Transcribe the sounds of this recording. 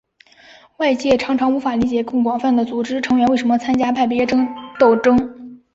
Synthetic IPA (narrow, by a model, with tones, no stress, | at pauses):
wa˥˧ɪt͡ɕjɛ˥˩ʈ͡ʂʰɑ˧˥ŋʈ͡ʂʰɑ˧˥ŋu˧˥fa˨˩li˧˥t͡ɕjɛ˨˩kʊ˥˩ŋkwɑ˨˩ŋfa˥˩nd̪ə˩t͡su˨˩ʈ͡ʂɻ̩˥ʈ͡ʂʰɤ˧˥ŋɥɛ˧˥nwe˥˩ɪʂə˧˥mə˧t͡sʰa˥nt͡ɕja˥pʰa˥˩ɪpjɛ˧˥ʈ͡ʂɤ˥ŋt̪o˥˩ʊʈ͡ʂɤ˥ŋ